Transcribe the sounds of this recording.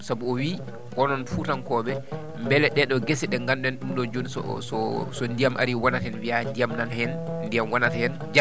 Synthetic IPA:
sabuɔwi | wɔnɔnfuːtankɔɓɛ | mbɛlɛɗɛɗɔɡesɛɗɛŋɡanɗɛnɗumɗɔd͡ʒoɗiɔ̰sɔsɔndijamʔa̰ɾiwanatɛnwiandijamnanhɛnndijamwanatɛhɛn | d͡ʒa

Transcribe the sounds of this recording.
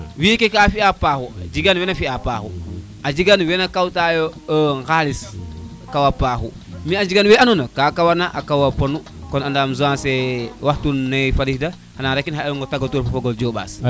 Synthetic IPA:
wikekafiapahuad͡ʒiɡanwenafiapahu | ʔad͡ʒiɡanwenakawtajoəŋxalisakawapaxu | miad͡ʒiɡanweanunakakawanaʔakawaponu | konandaːmzuansewahtunːajfalihda | hanaɾekːinhaeluŋɡotaɡotuɾfafoɡold͡ʒoɓa̰ːs

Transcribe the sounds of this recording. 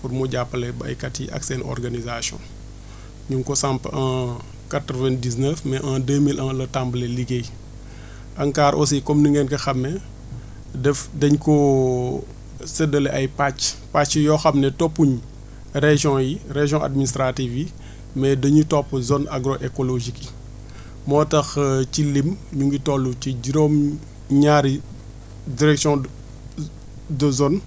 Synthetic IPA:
purmuɟapːəlɛbɐ̰jkɐtjiʔa̰ksɛnɔ̰rɡanizasjɔ̰̃n | ɲuŋkɔsampãː | katɾəvɛndiznəfmɛʔãːdəːmilɐ̃lɐtambəlɛliɡej | ʔɐŋkaːɾʔɔ̰sikɔmniŋɡɛnkɐxɐmːɛ | dɛfdɐɲkɔ | sədɐlɛʔɐjpat͡ʃpat͡ʃjɔːxɐmnɛtɔpːuɲ | reʒjɔ̃jireʒjɔ̃ʔa̰dministɾatiːfji | mɛdɐɲutɔpːəzɔnaɡɾɔʔɛkɔloʒiki | mɔːtɐxcilimɲuŋɡitɔlːuciɟiɾɔm | ɲaːɾi | diɾɛksjɔ̃ | dəzɔn

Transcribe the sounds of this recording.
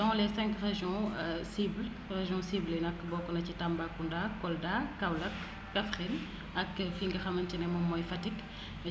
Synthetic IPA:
dɔŋɔlɛsɛ̃ŋkʁeʒiɔ̃sibl | ʁeʒjɔ̃siblɛnɐkːbɔːkɔnɐcitambakːundakɔldakːɐwlɐkː | afʁin | ɐkːfiŋɡɐxɐmɐntinɛmɔmːɔjfɐtit

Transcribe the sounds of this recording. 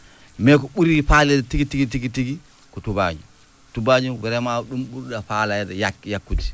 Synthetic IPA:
mɛkɔɓuɾifalɛdɛtiɡitiɡitiɡitiɡi | kɔtuba̰ɲṵ | tubaɲuwɛɾɛmaɗumɓuɾɗafaladɛjakjakːuti̥

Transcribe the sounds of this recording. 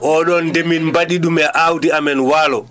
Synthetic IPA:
ʔɔɗɔndeminmbaɗiɗumɛʔawdiamɛnwaːlɔ

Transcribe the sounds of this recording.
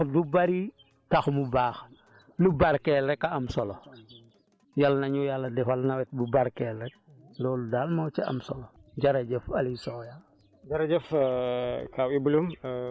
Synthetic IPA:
dubaɾi | taxmubaːx | lubaɾkɛlɾɛkːaamsɔlo | jalnɐɲujalːɐdɛfalnawɛt̚bubaɾkɛlɾɛk̚ | lɔːludalmat͡ʃiɐ̰msɔloɟaɾɐɟɛfɐlisɔja | d͡ʒɐɾɐɟɛf | kawibulum

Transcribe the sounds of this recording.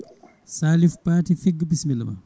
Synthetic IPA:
salifpaːtifiɡbismilɐmɐ̰

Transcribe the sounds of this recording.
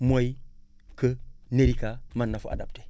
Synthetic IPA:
mʷoikəneɾikamanːafuʔa̰dap̚te̥

